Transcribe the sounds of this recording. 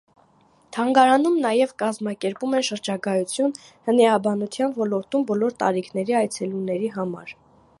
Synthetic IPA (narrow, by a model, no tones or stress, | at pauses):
t̪ʰɑŋɡɑɾɑnumnɑjɛvkɑzmɑkɛɾpumɛnʃəɾd͡ʒɑɡɑjut͡sʰjunhəniɑbɑnut͡s̪ʰjɑnvɔlɔɾt̪umbɔlɔɾt̪ɑ̰ɾikʰnɛɾiɑjt͡sʰɛlunɛɾiɦɑmɑ̰ɾ